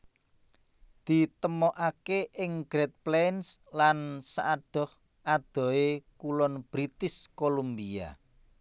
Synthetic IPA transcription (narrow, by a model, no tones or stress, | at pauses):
d̪̥i̤t̪əmɔʔakeʔɪŋɡ̥ɾet̪̚plɛnslansaʔaɖ̥ɔ̤h | ʔad̪̥ɔ̤ekulɔnb̥ɾit̪ɪskolombia̰